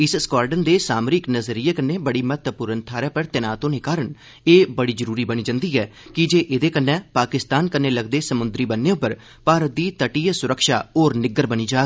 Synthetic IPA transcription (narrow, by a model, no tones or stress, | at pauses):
ɪsskaːɾɖənd̪eːsaːmɾɪknəzəɾiːeːkənːeːbəɽiːmət̪əpʊːɾənt̪ʰaːɾɛːpəɾt̪ɪnaːt̪õːneːkaːɾəɳ | eːbəɽiːd͡ʒəɾuːɾiːbəniːd͡ʒãnd̪iːɦɛː | kɪd͡ʒeːʔɪd̪eːkənːɛ̃ːpaːkɪst̪aːnkənːeːləɡd̪eːsəmʊnd̪ɾiːbənːeːʊpːəɾ | paːɾət̪̚d̪iːt̪əʈiːsʊɾəkʃa̰ːoːɾnɪɡəɾbəniːd͡ʒaː